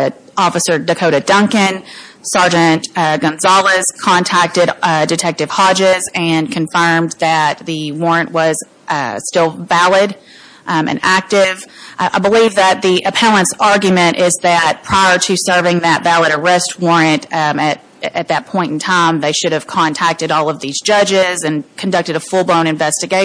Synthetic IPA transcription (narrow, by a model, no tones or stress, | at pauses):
ɔfɨsə˞dɨkʰoʊɾɨdʌ̃ŋkɨ̃nsɑɹd͡ʒɨ̃ntɡʌ̃nzɑlˠəz̥kʰɑ̃ntʰæk̚tɨɾdɨtʰɛk̚tɨv̥hɑd͡ʒɪzɨ̃nkʰɨ̃ɱfɜ̃˞mðɨt̪̚ðɨwɔɹɨ̃nʔwʌz̥ | stɪlˠvælˠɪɾ | ɨ̰̃næk̚tɪv̥ʔa̰ɪbəlivðɨt̪̚ðiʔɨpʰɛlˠə̃nsɑɹɡjmɨ̃ɾ̃ʔɪzðɨt̚pʰɹ̥aɪə˞ɾɨsɜ˞vɪ̃ŋðɨtvælˠəɾə˞ɛst̚wɔɹɨ̃ntɨɾ | ɨt̪̚ðɨt̚pʰɔ̃ɪ̃nn̩tʰãɪ̃mðeɪʃʊɾɨv̥kʰɑ̃ntʰæk̚tɨɾɔlˠʌvðizd͡ʒʌd͡ʒɪzɨ̃nkʰɨ̃n̩dʌk̚tɨɾəfʊlˠbõʊ̃ɾ̃ɨ̃ɱvɛstɨɡeɪ